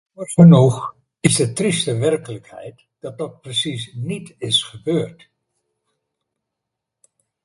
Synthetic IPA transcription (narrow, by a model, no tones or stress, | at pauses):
kɔrχənɔχ | ɪzdətrɪstəʋɛrkələkhɛ̰jt | d̥ɑt̚dɑt̚prəsisnitɪsχəbøːrt